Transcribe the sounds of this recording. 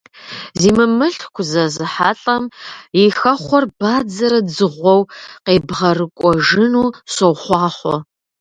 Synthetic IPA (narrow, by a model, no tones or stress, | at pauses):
ziːmɨmɨɬkʷʰʊzɐzɨħa̰ːɬʼɐmixɐχʷɔrbaːd͡zɐɾɐd͡zɨʁʷɔwqeːbʁɐrɨkʷʼɔʒɨnuːɕɐwχʷɑːχʷɔ̰